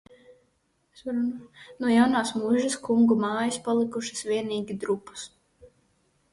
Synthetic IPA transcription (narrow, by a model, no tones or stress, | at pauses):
sɾnnuɔjawnaːsmuʒɐskuŋɡumaːjɐspalˠikuʃɨ̥svʲiɛniːɡʲid̪ɾupːɐ̥s